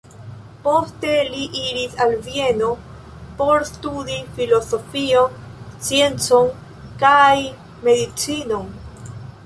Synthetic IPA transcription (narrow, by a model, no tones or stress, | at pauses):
po̞ste̞liʔiɾisalvje̞no̞ | po̞ɾstud̪ifilo̞so̞fio̞nsje̞nt͡so̞n | kaj | me̞ðit͡sinon